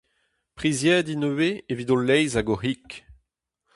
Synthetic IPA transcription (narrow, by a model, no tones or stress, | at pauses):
pχizjɛːdinøweevidolːɛjzaɡoɦik